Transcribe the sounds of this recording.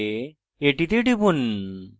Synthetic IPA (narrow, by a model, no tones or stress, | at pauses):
eʈit̪eʈipun